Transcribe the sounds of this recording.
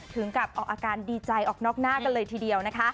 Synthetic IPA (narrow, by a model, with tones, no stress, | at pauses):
t̪ʰɯ˩˦ŋka˨˩p̚ʔɔː˨˩k̚ʔaː˧kaː˧ndiː˧t͡ɕa˧jʔɔː˨˩k̚nɔː˥˩k̚naː˥˩ka˧nlɤː˧jt̪ʰiː˨˩di˧əwna˦˥kʰa˦˥